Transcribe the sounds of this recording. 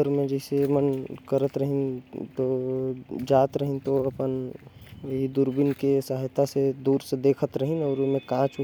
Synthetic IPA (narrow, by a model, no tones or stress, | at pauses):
əɾmẽd͡ʒəɪsemənkəɾət̪ɾəɦint̪o | d͡ʒaːt̪ɾəɦĩnt̪oɐpən | ɦid̪uɾbɪnkesaɦjt̪ased̪uːɾsed̪eːkʰət̪ɾəɦĩnɔːɾʊmẽkãt͡ʃu